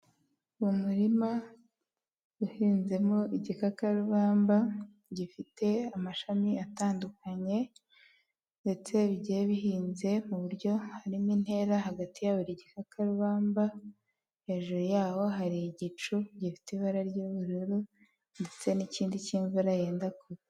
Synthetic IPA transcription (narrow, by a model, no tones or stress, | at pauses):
uumuɾima | ɡuhiːnze̞moʔiɟikakaɾuβaːmba | ɟifite̞amaʃamiataːndukaɲe̞ | nde̞t͡se̞βɟeeβiɦiːnze̞muβuɾɟo̞haɾimin̥e̞ɾaɦaɡatijaβoɾiɟikakaɾuβaːmba | he̞ːʒuɾujaːwo̞ɦaɾiɟit͡ʃuɟifi̥tiβaɾaɾɟuβuɾuɾu | nde̞t͡se̞niciːndiciːɱvuɾaje̞ːndako